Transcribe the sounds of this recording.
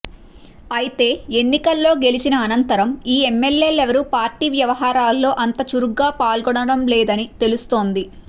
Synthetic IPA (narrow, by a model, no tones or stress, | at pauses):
ɐjit̪e̞ːe̞nːikɐlːo̞ːɡe̞lit͡ʃinɐːnɐnt̪ɐɾɐmiːemːe̞lje̞ːlɛʋɐɾupaːɾʈiːʋjɐʋɐɦaːɾaːlːo̞ːʔɐnt̪ɐt͡ʃuɾuɡːaːpaːlɡɔɽɐɽɐmlɛːd̪ɐnit̪e̞lust̪o̞ːnd̪i